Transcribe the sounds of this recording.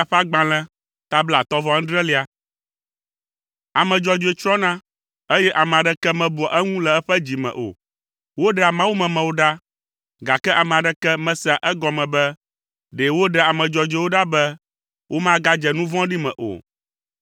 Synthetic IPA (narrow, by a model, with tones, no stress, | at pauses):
a˦˨ɸa˦ɡ͡bã˨lɛ̃˦ | t̪a˦bla˨t̪ɔ˦vɔ̃˦ɖɾɛ˦li˨˦a˨ | a˨mɛ̃˨d͡ʒɔ˨d͡ʒo˨˦e˨t͡ʃɾɔ˦nã˦ | e˦jɛ˦ʔa˨mɛ̃˨a˨ɖɛ˦kɛ˦mɛ̃˦bu˨ɔ˨ʔɛ˦ŋũ˦lɛ˨ɛ˦ɸɛ˦d͡ʑi˨mɛ̰̃˨ʔo̰˨ | wo˦ɖɛ˦˨a˨mã˦wu˦mɛ̃˨mɛ̃˨wo˦ɖa˦ | ɡa˨kɛ˦ʔa˨mɛ̃˨a˨ɖɛ˦kɛ˦mɛ̃˦sɛ˦a˨ʔɛ˦ɡɔ˨mɛ̃˨bɛ˦ | ɖɛ˨wo˦ɖɛ˦a˨mɛ̃˨d͡ʒɔ˨d͡ʒe˦wo˦ɖa˦bɛ˦ | wʔo˦mã˦ɡa˦d͡ʒɛ˨nũ˦vɔ̃˦ɖi˦mɛ̰̃˨ʔo̰˨